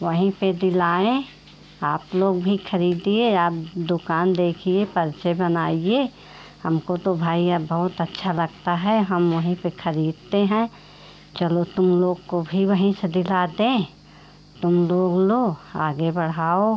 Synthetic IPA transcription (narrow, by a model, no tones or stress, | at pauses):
ʋəɦĩped̪ɪlaːẽ | aːploːɡbʱixʰɐɾiːd̪ieaːp̚d̪ʊkaːnd̪eːkʰiepɐɾt͡ʃebɐnaːieː | hɐmkot̪obʱaːiabɐɦʊt̪ɐtːʃʰalɐɡ̚t̪aɦɛɦɐmʋɐɦĩpexʰɐɾiːd̪̚t̪eɦɛ̃ː | t͡ʃɐlot̪ʊmloːɡkobʱiʋəɦĩsed̪ɪlaːd̪ẽː | t̪ʊmloːɡloːɡa̰ːɡebɐɽ̤aːo